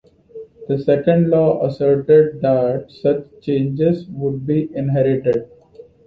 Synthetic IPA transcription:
d̪̥əsɛkə̃ɳɖlɔːʔəsəɾʈeɖ̚d̪æʈ̚sʌt͡ʃt͡ʃẽːnd͡ʒezʋʊɖ̚biːʔɪ̃nɦɛɾɪʈeɖ̚

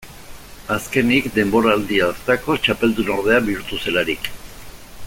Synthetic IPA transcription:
aske̞nikd̪e̞mbo̞ɾaːld̪iast̪ako̞t͡ʃape̞ld̪uno̞ɾð̞e̞abiuɾt̪use̞laɾik

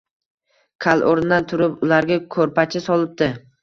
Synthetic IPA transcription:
kʲʰalˠʔoɾnd̪ant̪ʰʊɾɪpʊlaɾɡʲakʰɵɾpat͡ʃʰɪsɒlˠɪp̚d̪ɪ

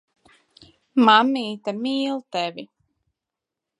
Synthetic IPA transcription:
mamːiːt̪amiːlˠt̪ɛvi

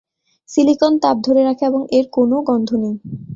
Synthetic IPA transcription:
silikont̪ab̚d̪ʱoɾeɾakʰeeboŋeɾkonoɡɔnd̪ʱonej

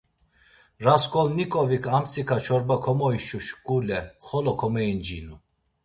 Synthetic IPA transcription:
ɾaskʰʼɔlnikʼɔvikʰamt͡sʰʼikʰat͡ʃʰɔɾbakʰɔmɔiʃuʃkʼulɛχɔlɔkʰɔmɛind͡ʒinu

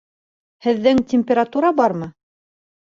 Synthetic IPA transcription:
hɘ̆ðːɘŋtʲɪmʲpʲeɾat̪uɾɑbɑɾmɤ

